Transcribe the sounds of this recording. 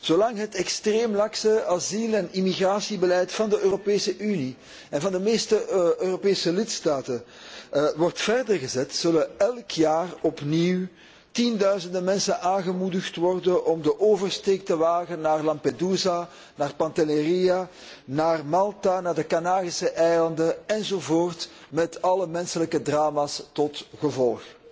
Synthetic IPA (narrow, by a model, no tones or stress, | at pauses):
z̥oːlɑŋɦətɛkstreːmlɑksəazilɛnimiɣraːsibəlɛjtfɑndəʔøːropeːsəʔyni | ɛnvɑndəmeːstəøːropeːsəlɪtstaːtən | ʋɔrtfɛrdərɣəzɛtsɵləɛlˠkʰjaːrɔpniw | tindœɥzəndəmɛnsənʔaːnɣəmudəxtʋɔrdənʔɔmdəʔoːvərsteːk̚təʋaːɣənːaːrlɑmpeduːza | naːrpɑntəleria | naːrmɑlˠtanaːrdəkanaːɣisəʔɛjlɑndəɛnzovoːrt | mɛtɑləmɛnsələkədraːmaːstɔtɣəvɔlˠx